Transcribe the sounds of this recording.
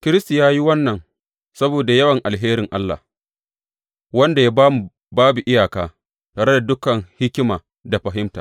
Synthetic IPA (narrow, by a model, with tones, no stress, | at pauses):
kʲɪ˦ɾɪ˦sta˨jaː˦ji˦wɐ˦nːɐ˨ŋ | sɐ˦boː˨da˨jɐ˦wɐ˨ŋʔa˨lɦeː˦ɾɪ˨ŋʔa˦lːa̰˨ | wɐ˦nda˨ja˦baː˦mu˨ | baː˦bu˨ʔɪ˦jaː˨kaː˦ | taː˨ɾe˦da˨dʊ˦kɐ˨ŋhɪ˦kʲɪ˦maː˨ | da˨ɸɐ˨ɦɪ˦mta̰ː˨